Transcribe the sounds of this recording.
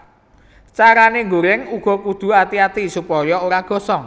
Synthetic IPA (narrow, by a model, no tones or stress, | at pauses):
t͡ʃaɾaneŋɡoɾɛŋuɡ̥ɔ̤kud̪̥ṳat̪iat̪isupɔjɔoɾaɡ̥ɔ̤sɔŋ